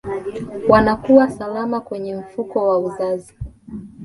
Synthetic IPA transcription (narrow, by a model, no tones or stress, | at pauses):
wanakuwasalamakwɛɲɛm̩fukɔwauzazi